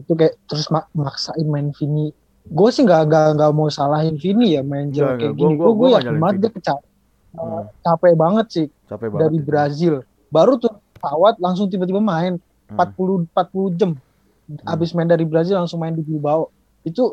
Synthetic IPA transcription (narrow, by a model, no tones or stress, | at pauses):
it̪ukajaʔt̪əɾʊsmamaksaɪnmaɪnfini | ɡuɛsɪhŋɡaʔŋɡaŋɡaʔmausalaɦɪnfinijamaɪnd͡ʒəlakajaʔɡiniɡaɡuajaəmaŋət̪̚ɡakət͡ʃapɛ | ət͡ʃapɛbaŋət̪̚sɪh | daɾibɾazɪl | baɾut̪uɾ | sawat̪̚laŋs̬ʊŋt̪̬ibat̪ibamaɪn | pat̪̚pulupat̪̚pulud͡ʒəm | abɪsmaɪndaɾibɾazɪlːaŋsʊŋmaɪndibulubaɔʔ | it̪u